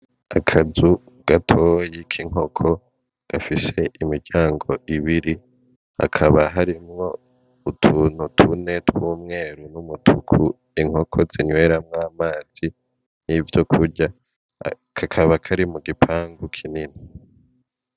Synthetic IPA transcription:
akʰazu | ɡ̥atʰo̞ːjikʰiŋ̥o̞kʰo̞ | ɡ̥afise̞ʔimiɾɟaːŋɡo̞ʔiβiɾi | a̰kʰaβaɦaɾimŋo̞ | utʰuːn̥hutʰune̞twuːmŋe̞ːɾunumutʰukʰu | iŋ̥ho̞kʰo̞ziɲwe̞ːɾamŋaːmaːz̥i | nivjokʰuɾɟa | kʰakʰaβakʰaɾimuɡipʰaːŋɡukʰinini

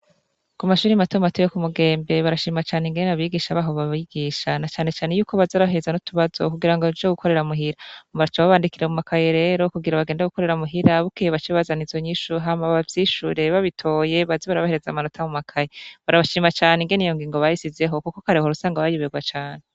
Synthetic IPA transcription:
kumaʃuːɾiamatomatojokumuɡe̞ːmbe̞βaɾaʃiːmat͡ʃaːniŋɡennaβiɡiʃaβaːɦo̞βaβiɡiʃanat͡ʃaːne̞t͡ʃaːne̞juːko̞βazoɾaɦezanotuβazokuɡiɾaŋɡod͡ʒoɡukʰo̞ɾe̞ɾamuɦiɾaaβaat͡ʃaβaβaːndikiɾemumakʰajeɾe̞ːɾo̞kuɡiɾaβaɡeːndaɡuko̞ɾe̞ɾamuɦiɾaβukijeβat͡ʃiβazanizo̞ɲiːʃuɦamaβavjiːʃṵɾe̞βaβitʰo̞ːje̞βaziβaɾaβaheɾe̞zamano̞tʰamumakʰajeβaɾaβaʃiːmat͡ʃaːneiŋɡe̞nijo̞ŋɡiːŋɡo̞βajisize̞ɦo̞kukokaɾehoɾusaːŋɡaβajuβeɡwat͡ʃaːne

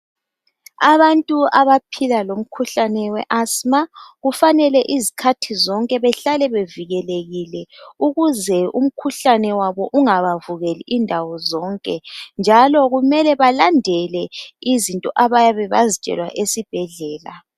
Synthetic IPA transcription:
aβantʼuaβapʰilalom̩kʰuɬanɛwɛ̰ʔasmaɣufanɛlɛʔizikʰatʰizɔŋkʼɛβɛɬalɛβeviɣɛleɣilɛuɣuzɛṵm̩kʰuɬanɛwaβɔʔuŋaβavuɣeliʔindʱawɔzɔŋkʼɛnd͡ʒʱalɔɣumɛlɛβalandʱɛlɛizintʼɔʔaβajaβɛβazit͡ʃʼɛ̰lwa̰ʔesib̥ʱɛɮɛːla̰

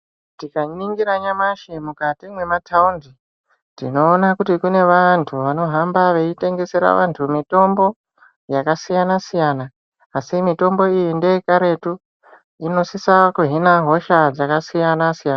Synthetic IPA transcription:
tikaɲiŋɡiɾaɲamaʃemukatimwe̞matʰaundi | tḭno̞ːnakutikune̞ʋantʰuʋano̞ɦambaʋe̞ite̞ŋɡe̞se̞ɾa̰ʋa̰ntʰumito̞mbo̞ | jakasijanasijanaː | simito̞mbo̞ijinde̞ikaɾe̞tu | ino̞sisakuɦinaɦo̞ʃad͡zakasijanasijana

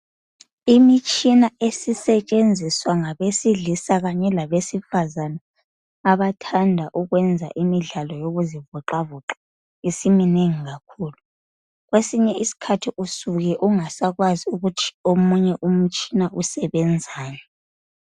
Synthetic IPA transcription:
imit͡ʃʼinaesisɛt͡ʃʼend͡zʱiswaŋaβesiɮisaɣaɲɛlaβesifazanaː | βatʰandʱaʔuɣwɛnd͡zʱa̰ʔimiɮalɔjoɣuzivuǃavuǁa | isimineŋiɣakʰuːlu | ɣwesiɲɛisi̥kʰatʰiʔusuɣɛʔuŋasaɣwaziuɣutʰi̥omuɲɛʔum̩t͡ʃʼinaʔusɛβɛnd͡zʱaːjɔ

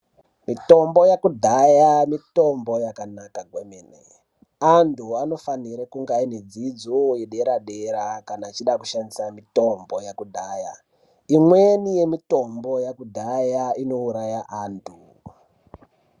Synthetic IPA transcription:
mito̞mbo̞jakudʱajamito̞mbo̞jakanakaɡʱwemeːnḛ | antuano̞faniɾekuŋɡained͡zid͡zojeɗe̞ɾaɗeɾakanaːt͡ʃiɗakuʃandisamito̞mbo̞jakudʱaːja̰ | imwenije̞mito̞mbo̞jakudʱajaino̞uɾajaʔantʰu

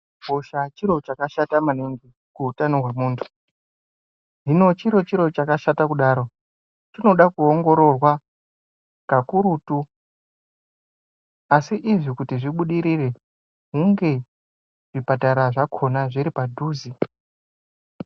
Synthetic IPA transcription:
oʃat͡ʃiɾo̞t͡ʃakaʃatamaneŋɡi | kuutanoɦwe̞muːntʰu̥ | nino̞t͡ʃiɾo̞t͡ʃiɾo̞t͡ʃakaʃatakuɗaːɾo̞ | t͡ʃino̞ɗakuoŋɡo̞ɾo̞rwa | kakuɾutu | asiʔiʐikutiʐiɓuɗiɾire̞ | ɦuŋɡe̞ | ʐ̥ipataɾaʐakʰo̞naʐiɾipadʱuːzi

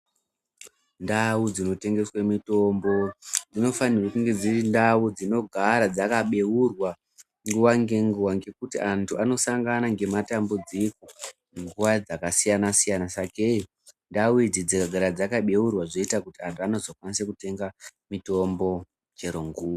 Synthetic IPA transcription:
ndawud͡zino̞te̞ŋɡe̞swemito̞mbo̞d͡zino̞fanirwakuŋɡe̞d͡zirindawud͡zino̞ɡʱaɾad͡zakaɓe̞urwa | ŋɡuwaŋɡe̞ŋɡuwaŋɡe̞kutiantʰuano̞saŋɡanaŋɡe̞matambud͡zikoneŋɡuʋad͡zakasijanasijanasakei | ndawuid͡zid͡zikaɡʱaɾad͡zakaɓe̞urwaʐo̞itakutiantuano̞zo̞kwanisekute̞ŋɡamito̞mbo̞ | t͡ʃe̞ɾoŋɡuːwa

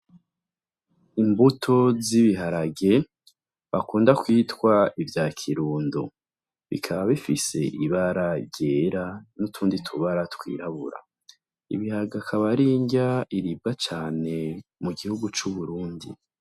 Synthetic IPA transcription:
imbutʰo̞ziβiɦaɾaɡe̞ | βakuːndakwiːtkwaivjaːkʰiɾuːndu | βḭkʰaβaβifise̞̰ʔiβaɾaɾɟeːɾanutʰuːnditʰuβaɾatwḭːɾaβṵɾa̰ | ḭβihaɡakʰaβaɾiːɲɟaiɾib̚ɡat͡ʃaːne̞muɡihuɡut͡ʃuβuɾuːndḭ

